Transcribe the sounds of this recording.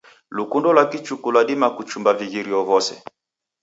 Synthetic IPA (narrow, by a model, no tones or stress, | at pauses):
lukundɔlwakit͡ʃukulwadimakut͡ʃumbaviɣiɾiɔvɔsɛ̰